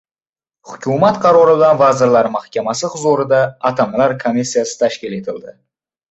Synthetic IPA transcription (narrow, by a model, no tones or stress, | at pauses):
hʊkʲʰʊmat̪qʰɑɾɒɾɪbɪlanvazɪɾlaɾɪmahkʲamasɪχʊzuɾɪd̪aːt̪ʰamlaɾkʰomisːijasɪ̥t̪ʰaʃkʲɪle̞t̪ʰɪld̪ɪ